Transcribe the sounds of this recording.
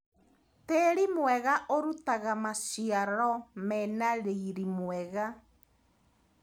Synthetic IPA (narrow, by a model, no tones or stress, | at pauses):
teːɾimwɛɣaʔoɾutaɣamaʃiaɾɔmɛnaɾeiɾimwɛɣa